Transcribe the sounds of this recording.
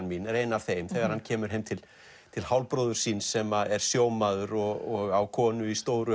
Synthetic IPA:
nminreːjnaɾ̥θeːjmθɛɣaɾ̥hancʰɛːmʏɾ̥ɦejmt̪ʰɪl | t̪ʰɪlhawlpɾɔːðʏɾ̥sinsːɛmaðɛɾ̥sjoːwmaðʏɾɔɣɔɣawkʰɔːnʏist̪oːwɾʏ

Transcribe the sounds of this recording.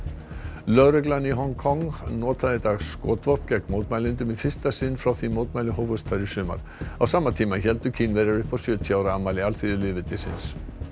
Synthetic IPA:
lœɣɾɛklanːiɦɔŋkʰɔŋnɔːt̪ʰaðɪt̪aːɣsːkɔːt̪vɔr̥pcɛkmowt̪majlɪnt̪ʏmifɪst̪asɪnːfɾawθimoːwt̪majlʏhowvœst̪ʰaɾɪsʏːma̰ɾ̥ | awsaːmːat̪ʰiːmaçɛlt̪ʏcʰiːnvɛːɾaɾʏhpawsjʏːt̪ʰiaːwɾaamaːlɪalθiðʏlɪvɪt̪ɪsɪ̰ns

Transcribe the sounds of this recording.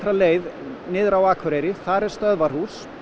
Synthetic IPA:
θɾaleːjðnɪːðɾawaːkʰʏɾejɾɪθaɾɛɾ̥st̪œðvar̥hu̥s

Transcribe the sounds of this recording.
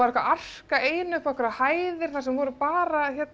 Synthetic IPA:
aɾɛkvaʔar̥kaʔeːjnʏhkahkʏɾahaːjðɪɾ̥θasɛmvɔːɾʏpaːɾaçjɛt̪

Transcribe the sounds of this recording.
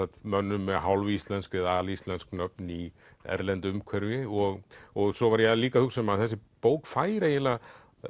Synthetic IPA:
at̪mœnːʏmːɛɦawlvʏist̪lɛnskvɪðaːlist̪lɛnsknœpni | ɛ̰ɾlɛnt̪ʏʏmkʰɛɾvɪɔɣɔɣsɔvaɾjɛliːkaθhuksɛmaðθɛsːɪpoːwkfaːjɾaila

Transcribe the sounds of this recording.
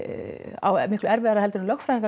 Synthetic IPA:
a̰wmɪhklɛɾvɛðaɾaðhɛlt̪ʏɾnmlɔxfɾaiŋka

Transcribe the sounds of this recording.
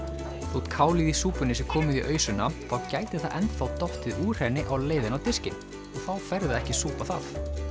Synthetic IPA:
θut̪kʰaːwliðisuːpʏnɪsɪkʰɔːmʏðiʔœːɥsʏnːaθawcaːjt̪ɪθaðʔɛnt̪θawt̪ɔht̪ɪðuːr̥hɛnːɪʔawleːjðɪnawt̪ɪscɪn | ɔɣθawfɛɾðʏɛhcɪsuːpaθa̰θ

